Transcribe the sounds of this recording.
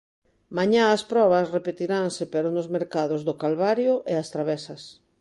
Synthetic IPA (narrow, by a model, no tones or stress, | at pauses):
maɲaaspɾɔβɐsrepet̪iɾaŋsɪpeɾonʊzmeɾkaðʊzðʊkalβaɾjʊʔeast̪ɾaβɛsɐs